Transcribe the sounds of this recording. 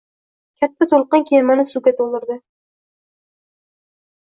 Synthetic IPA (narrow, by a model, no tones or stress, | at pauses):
kʲʰat̪ʰːat̪ʰolˠqɨnkʲʰemanɪsuɡʲat̪ʰolˠd̪ɪɾd̪ɪ